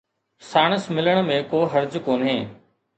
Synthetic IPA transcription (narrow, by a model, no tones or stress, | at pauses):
saːɽ̃əsmɪləɽ̃mẽkoːɦɐɾd͡ʑkoːnɦeː